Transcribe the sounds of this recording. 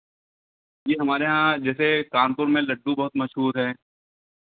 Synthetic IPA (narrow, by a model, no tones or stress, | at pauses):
jeːɦɐmaːɾeɦãd͡ʒɛːsekaːnpʊɾmẽlɐɖːũbɐɦʊt̪mɐʃɦuːɾɦɛː